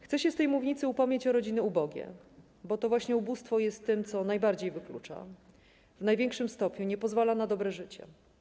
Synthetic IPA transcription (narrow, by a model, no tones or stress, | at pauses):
xt̪sɛɕɛst̪ɛjmuvɲit̪sɘupɔmɲet͡ɕɔɾɔd͡ʑinɛubɔɡʲɛ̰ | bɔt̪ɔvwaɕɲɛubust̪fɔjɛst̪ːɘmt̪sɔnajbaɾd͡ʑejvɘklṵt͡ʂa̰ | vnajvʲjɛŋkʂɘmst̪ɔpɲuɲɛpɔzvalanad̪ɔbɾɛʐɘt͡ɕɛ̰